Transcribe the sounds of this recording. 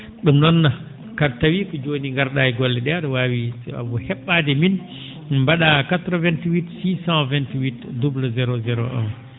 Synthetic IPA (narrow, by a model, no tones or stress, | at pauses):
ɗumnɔnːa | katawikɔd͡ʒoːniŋɡaɾɗajiɡɔlːɛɗɛaɗɔwawisa̰bɔhɛɓːadɛmin | mbaɗakatɾɔvɛntiwitsisãvɛntiwitdublzɛɾozɛɾo̰ʔɔ̰n